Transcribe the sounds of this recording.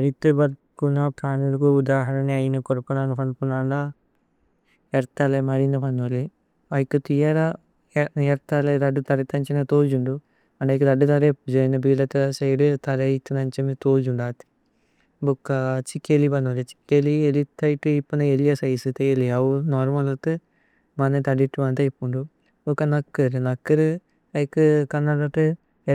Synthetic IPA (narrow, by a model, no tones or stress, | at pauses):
ɐɾit̪ːubɐɾ | kunapʰaːnulɐkuud̪aːɦɐɾɐneɐjinɐkoɾpːunaːnupɐnpunaːɳɖa | ɐɾt̪ɐlemɐɾinɐpɐnːoli | ɐjikːut̪ijaɾa | ɛɾt̪aleɾɐɖːut̪ɐɾɐt̪ːɐɲt͡ʃinɐt̪oːd͡ʒuɳɖu | ɐɳɖɐkd̪ɐɖut̪ɐɾepd͡ʒɐjnɐbiːlɐt̪ɐɐsɐjɖɨt̪ɐɾɐjit̪ːɐnɐɲt͡ʃɐmet̪oːd͡ʒuɳɖaːt̪ːi̥ | bukːat͡ʃikːelibɐnːuɐlet͡ʃi̥kːelielit̪ːaːjiʈːɨipːɐnɐelijɐsɐjsɨt̪eeliaʋunoːɾmɐlɐt̪ɨ | mɐnet̪ɐɽiʈːɨʋɐnd̪ɐjipːuɳɖu | ukːɐnɐkːɐɾɨnɐkːɐɾɨ | ɐjkːɨkɐnːɐɽɐʈ̪ːɨ